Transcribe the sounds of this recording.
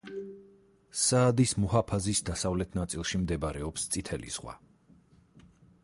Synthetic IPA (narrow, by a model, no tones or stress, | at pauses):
saːd̪ismuɦapʰazisd̪asavlɛt̪ʰnat̪sʼilˠʃimd̪ɛbaɾɛɔpst̪sʼit̪ʰɛlḭz̥ʁwa̰